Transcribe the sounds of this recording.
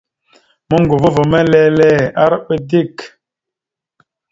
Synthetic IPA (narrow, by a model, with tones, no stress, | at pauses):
mə˦ŋɡu˨və˦və˨mɛ˦lɛ˦lɛ˦˨a˦ɾɓə˦di˦˨k